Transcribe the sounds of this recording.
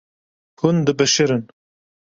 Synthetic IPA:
hund̪ɨbɛʃɨɾɨn

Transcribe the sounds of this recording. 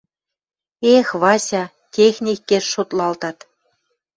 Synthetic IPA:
exβɑsʲɑ | t̪ʲexnʲikːeʃʃot̪lɑlt̪ɑt̪

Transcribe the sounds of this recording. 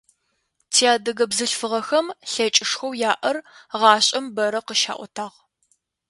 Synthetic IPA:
tʰijaːdɐɣɐbzɨɬfɨʁɐxɐmɬɐt͡ʃʼɪʂxɐwjaːʔɐrʁɑːɕʼɐmbɐɾɐqəʃa̰ːʔʷɔ̰tʰaːʁ

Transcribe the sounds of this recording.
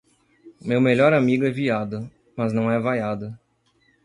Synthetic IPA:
mewmeʎɔɾamiɡʊɛviad̪ɐ | mɐznɐ̃w̃ɛvajad̪ɐ

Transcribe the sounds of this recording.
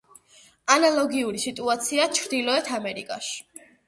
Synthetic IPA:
analˠɔɡiuɾisit̪ʼuat̪sʰiat͡ʃʰɾd̪ilˠɔɛt̪ʰamɛɾḭkʼa̰ʃi̥

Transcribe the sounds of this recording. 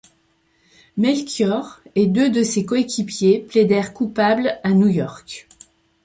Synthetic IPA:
mɛlkʲjɔʁed̪ød̪əsekoekʲipjepled̪ɛʁkupablanujɔʁk

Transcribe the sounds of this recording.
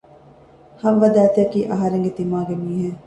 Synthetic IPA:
hɐmʋɐd̪æːt̪iɐkiːʔɐɦɐɾeŋɡet̪imaːɡemiːɦe

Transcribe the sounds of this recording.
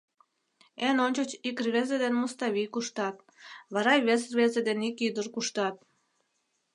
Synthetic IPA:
enonʲt͡ɕot͡ɕikrβezed̪enmust̪ɑβʲijkuʃt̪ɑt̪̚ | βɑɾɑjβes̬rβezed̪enikyd̪ərkuʃt̪ɑt̪̚

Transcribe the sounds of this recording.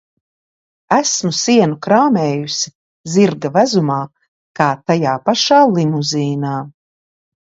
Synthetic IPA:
æsmusiɛnukɾaːmɛːjusi | ziɾɡavæzumaː | kaːt̪ajaːpaʃaːlˠimuziːnaː

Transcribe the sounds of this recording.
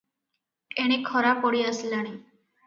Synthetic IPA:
eɽ̃ekʰɔɾapɔɽiəslaɽ̃i

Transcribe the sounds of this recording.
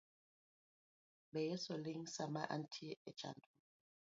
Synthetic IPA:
ɓɛjɛsɔlɪŋ̩samaʔa̰ntʰiɛ̥t͡ʃa̰ndʼɔn

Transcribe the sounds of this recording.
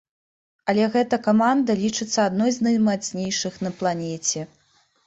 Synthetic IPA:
ɐlʲɛɣɛt̪ɐkamand̪ɐlʲit͡ʂɨt̪sːɐad̪nɔjznɐjmat̪sʲnʲejʂɨxnɐplˠanʲɛt͡sʲɛ

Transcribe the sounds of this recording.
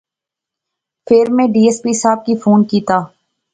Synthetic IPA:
pʰeːɾmẽɖiːeːspiːsaːb̚kifʰoːnkiːt̪aː

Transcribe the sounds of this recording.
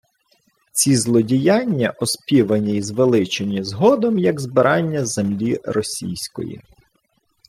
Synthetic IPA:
t͡sʲizlˠɔdʲijanʲːɐʔɔspʲiʋɐnʲizʋelˠɪt͡ʃɪnʲizɦɔd̪ɔmjɐɡzbɪɾɑnʲːɐzemlʲiɾɔsʲḭjsʲkɔ̰jḭ

